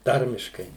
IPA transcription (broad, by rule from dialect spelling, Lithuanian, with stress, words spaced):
ˈtɐrʲmʲɪʃkɐɪ